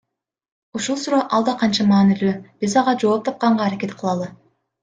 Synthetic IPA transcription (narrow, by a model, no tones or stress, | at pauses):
uʃulˠsuɾoːʔɑlˠd̪ɑqʰɑnt͡ʃɑmɑːnilyːb̥izɑʁɑd͡ʒo̞ːp̚t̪ʰɑp̚qɑɴʁɑːɾake̞t̪qʰɯlˠɑlˠɯ